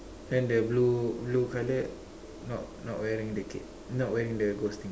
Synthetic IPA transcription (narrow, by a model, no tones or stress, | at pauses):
dɛ̃ndɛblublukalɛʔ̚ | nɔʔ | nɔʔwɛɾiŋdɛkɪ̰ʔ̚ | nɔʔwɛɾĩŋdəɡost̪ĩŋ